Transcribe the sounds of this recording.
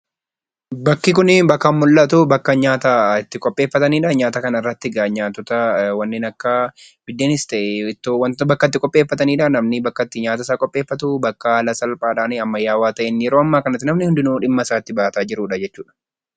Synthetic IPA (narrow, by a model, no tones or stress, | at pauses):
bɐkːɪkʊnɪbɐkːɐmːʊlːɐt̪ubɐkːɐɲaːt̪aɪt̪ːɪkʼɔpʼːe̞ːfːɐt̪ɐniːᶑɐɲaːt̪ɐkɐnɐɪrːɐt̪ːɪɡaːɲaːt̪ːɔt̪ɐwɐnːɪnɐkːɐ | b̥ɪd̪ːeːnɪst̪ɐʔɛɪt̪ːowɐnbɐkːɐt̪ːɪkʼɔpʼːeːfːɐt̪ɐniːᶑɐnɐmnɪbɐkːɐt̪ːɪɲaːt̪ɐs̬aːkʼɔpʼːe̞ːfːɐt̪ubɐkːɐlɐsɐlpʼaːᶑaːnɪɐmːɐjːaːwaːt̪ɐʔɛnjɛɾoːɐmːaːkɐnɐt̪ːɪnɐmnɪhʊnd̪ɪnoːᶑɪmːɐɪsaːɪt̪ːɪbaːt̪aːd͡ʒɪɾuːᶑɐd͡ʒɛt͡ʃːuːᶑɐ̥